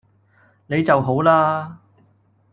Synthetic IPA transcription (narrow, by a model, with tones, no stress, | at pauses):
ne˨˧jt͡sɐ˨wɦo˨˥wlaː˥